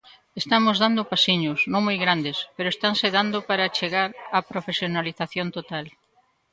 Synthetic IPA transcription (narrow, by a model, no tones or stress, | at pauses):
est̪amʊzðand̪ʊpasiɲʊsnõŋmojɣɾand̪espeɾoest̪aŋseðand̪ʊpaɾat͡ʃeɣaɾapɾofesjonaliθaθjont̪ot̪al